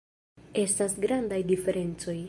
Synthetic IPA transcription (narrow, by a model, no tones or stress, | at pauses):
e̞stasɡɾandajdife̞ɾe̞nt͡so̞j